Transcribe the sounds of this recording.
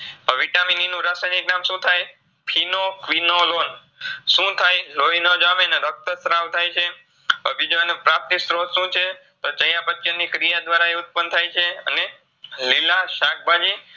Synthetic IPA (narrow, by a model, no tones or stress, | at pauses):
əʋiʈamininũɾasajniknamʃũt̪ʰaj | pʰinokʋinolon | ʃũt̪ʰajlojnəd͡ʒameneɾək̚t̪əsɾãʋt̪ʰajt͡ʃʰe | əbid͡ʒʋanepɾap̚t̪isɾot̪ʃũt͡ʃʰe | t̪ot͡ʃəjapət̪jənikɾijad̪ʋaɾaeʊt̪̚pənt̪ʰajt͡ʃʰeə̰ne | lilaʃak̚bʱad͡ʒi